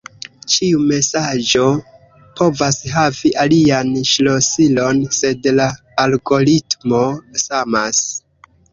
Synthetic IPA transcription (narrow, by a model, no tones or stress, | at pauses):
t͡ʃiume̞sad͡ʒo̞ | po̞vasɦaviʔalianʃlo̞silonse̞dlaː | lɡo̞ɾitmo̞samas